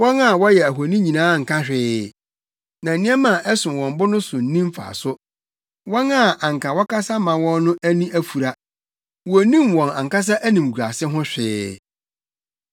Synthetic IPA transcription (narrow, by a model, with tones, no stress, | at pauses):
wɔ̃˦na˦˨wɔ˦jɛ˨æ˨ɦo˨nĩ˦ɲĩ˨nãː˦˨ŋ̩˨kʰã˦ɕᶣɪː˦ | nã˨nɪ̃˦ɛ˦mã˨ʔɛ˦sʊ̃˨wɔ̃˨m˦bʊ˦nʊ̃˦sʊ˨n̩˦nĩ˦m˦fa̰˨sʊ˦ | wɔ̃˦na˦˨ʔa˨ŋ˨kʰã˨wɔ˦kʰa˦sa˦mã˨wɔ̃˦nːʊ̃˦ʔæ˦nĩ˦ʔæ˦fu˨ɾa˦ | wɔ˨nĩ˦mwɔ̃˨na˨ŋka˦s̬a˦ʔæ˦nĩ˨m˨ɡu˨ɾa˨sɪ˦ɦʊ̃˦ɕᶣɪ˦